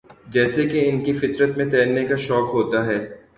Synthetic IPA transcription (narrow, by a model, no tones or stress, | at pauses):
d͡ʒɛːsekeɪnkifɪt̪ɾət̪mẽt̪ɛːɾnekaʃɔːkɦoːt̪aɦɛː